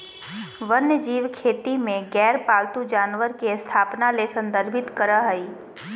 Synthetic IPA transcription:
ʋənjəd͡ʒiːʋkʰeːt̪imẽɡɛːɾpaːlt̪ud͡ʒaːnʋəɾkest̪ʰaːpnalesə̃nd̪əɾbʱɪt̪kəɾəɦəiː

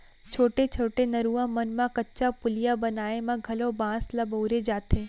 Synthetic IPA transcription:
t͡ʃʰoːʈet͡ʃʰoːʈenɐɾuːãmɐnmãkɐtːʃapʊlijabɐnaːemãɡʱɐlõbãːslɐboʊɾed͡ʒaːt̪ẽː

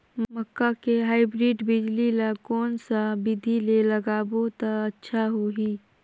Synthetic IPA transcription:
mməkːakeɦaːɪbɾiːɖbɪd͡ʒlilakɔːnsabɪd̪ʱileləɡaːbot̪aətːʃʰaɦoɦiː

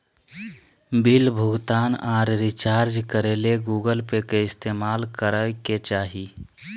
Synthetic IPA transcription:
bɪlbʱʊɡt̪aːnaːɾɾit͡ʃaːɾd͡ʒkəɾeːleɡuːɡəlpekeɪst̪eːmaːlkəɾəket͡ʃaːɦi

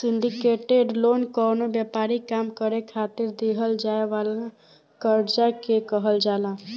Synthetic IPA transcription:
sɪɳɖikeʈeɖloːnkənobjɛpaːɾikaːmkəɾekʰat̪ɪɾd̪eɦəld͡ʒaeʋala | kəɾd͡ʒakekəɦəld͡ʒaːla

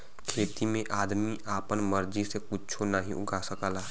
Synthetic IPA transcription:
kʰeːt̪imẽʔaːd̪miʔaːpənməɾd͡ʒisekʊt͡ʃʰonaɦĩʔʊ̰ɡʱasəkaːlaː

